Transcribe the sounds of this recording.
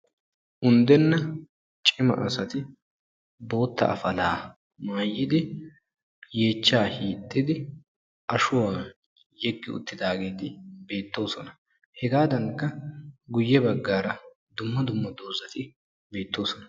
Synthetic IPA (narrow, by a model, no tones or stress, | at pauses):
ʔʊnd̪ɛnːɐ | t͡ʃʼɪmɐ̰ʔɐsɐt̪ɪ | bo̞ːt̪ːɐ̰ɐ̰fɐlaː | maːjːɪd̪ɪ | je̞ːt͡ʃːaːhiːt̪ʼːɪd̪ɪ | ʔɐʃʊwaː | jɛkːɪʊ̰t̪ːɪd̪aːɡe̞ːt̪ɪbe̞ːt̪ːo̞ːsɔnɐ | hɛɡaːd̪ɐŋkːɐɡʊjːɛbɐɡːaːɾɐ | d̪ʊmːɐd̪ʊmːɐd̪oːzɐt̪ɪ | be̞ːt̪ːo̞ːsɔnɐ̥